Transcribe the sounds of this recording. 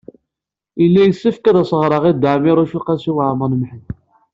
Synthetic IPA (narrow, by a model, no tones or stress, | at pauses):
əlːæjəsːəfkæðæsˤəʁɾˤəʁid̪əʕmiɾˤuʃuqæsuwaʕmənmħə